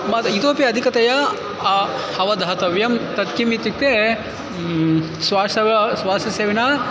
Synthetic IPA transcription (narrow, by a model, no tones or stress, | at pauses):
mɐt̪it̪oːpjɐːd̪ʱikɐt̪ɐjɐ | hɐʋɐd̪ʱɐaɦɐt̪ɐʋjɐmt̪ɐt̪kimit̪ːik̚t̪e | sʋaːsɐʋɐsʋaːsɐseːʋinaː